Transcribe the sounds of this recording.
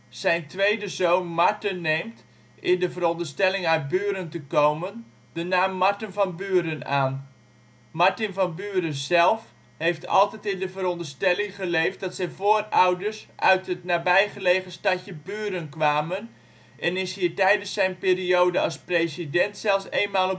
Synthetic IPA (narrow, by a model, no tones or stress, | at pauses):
sɛjntʋejdəzoːnmaɹtənːeːmt | ʔɪndəvəɾɔndərstɛlɪŋœɥt̚byːɾəntəkowmən | d̥ənaːmːaɹtənvɑnbyːəɾənaːn | maɹtɪnvɔnbyːɾəzɛlˠf | hejftʰɑ̰lˠtɛtɪndəvəɾɔndərstɛlɪŋχəlejft̚dɑtsɛjvoːrawdəɹsʔœɥtɦətnaːbɛjχəleːχəstacəbyːəɾənkʋaːmən | ʔɛnɪshiːɹtɛjdənsːɛjnpeːrioːdəɑsprejzidɛntsɛlˠfseːnmaːlˠɔ